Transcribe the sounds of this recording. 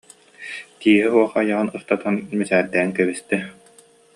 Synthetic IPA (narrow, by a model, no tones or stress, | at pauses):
t̪iːɦɛɦuɔχːjaʁɯnɯst̪at̪anmisæːɾd̪ɛːŋkɛβist̪ɛ